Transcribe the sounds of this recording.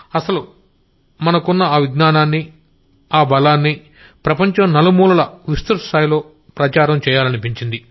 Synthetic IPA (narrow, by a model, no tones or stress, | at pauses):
ɐsɐlu | mɐnɐkunːɐaːʋiɡnaːnaːnːi | aːbɐlaːnːi | pɾɐpɐɲt͡ʃɐmnɐlɐmuːlɐlɐʋist̪uɾst̪ʰaːjlo̞ː | pɾɐt͡ʃaːɾɐmt͡ʃɛːjaːlɐnipiɲt͡ʃind̪i